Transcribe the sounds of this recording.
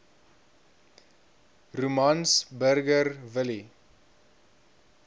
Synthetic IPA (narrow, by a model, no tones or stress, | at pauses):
rumɐnsbərɡərvəli